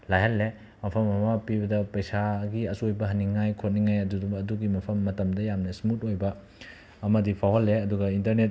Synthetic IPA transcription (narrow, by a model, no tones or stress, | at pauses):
lajɦɐlːe | mɐpʰɐmɐmɐpibɐdɐpɐjsaɡiɐsujbɐɦɐniŋajkʰot̚niŋajɐduduɐduɡimɐpʰɐmːɐtɐmdɐjamnɐsmutojbɐː | mɐdipʰawɦɐlːeɐduɡɐintɐɾnet̚